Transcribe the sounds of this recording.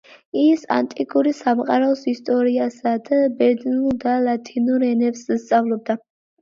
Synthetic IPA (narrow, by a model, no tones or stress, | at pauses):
isa̰nt̪ʼikʼuɾisamqʼaɾaɔsist̪ʼɔɾiasad̪abɛɾd̪nulˠd̪alat̪ʰinuɾɛnɛpsst̪sʼavlˠɔb̚d̪a